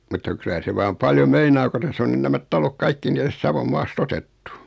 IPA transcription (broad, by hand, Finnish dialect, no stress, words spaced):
mutːɑ kylæ se ʋɑːm pɑljo meinɑː ko tæsː on nyn næmæt tɑlok kɑikːi ni tæst sɑʋom mɑːst otetːu